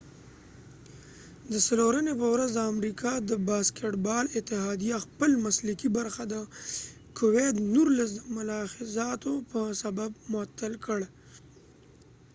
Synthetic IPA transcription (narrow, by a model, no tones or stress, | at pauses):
d̪əsaloɾanepəwɾazd̪əamɾikʰɑd̪əbɑskeʈbɑlɪt̪ɪɦɑd̪ijaxpəlmaslɪkibaɾxad̪ə | kʰʊwed̪nuɾlas̬d̪əmʊlɑxɪzɑt̪opəsababmʊat̪ːalkəɽ